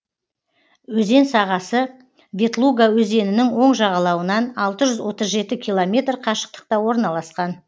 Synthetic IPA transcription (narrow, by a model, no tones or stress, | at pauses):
wɵze̞nsɑʁɑsə | vʲe̞t̪lˠuɡawɵze̞nɪnɪŋwo̞ɴʒɑʁɑlˠɑwənɑnɑlˠt̪əʒʏzwo̞t̪əzʒe̞t̪ɪkʲʰilˠomʲe̞t̪rqʰɑʃə̥q̚t̪ə̥q̚t̪ɑwo̞ɾnɑlˠɑsqɑn